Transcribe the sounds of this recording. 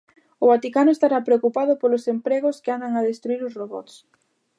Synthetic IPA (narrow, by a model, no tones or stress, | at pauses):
ʊβat̪ikanʊest̪aɾapɾeokupaðʊpolosempɾeɣ̞ʊskɪand̪aŋaðest̪ɾuiɾʊsroβɔ̰t̪s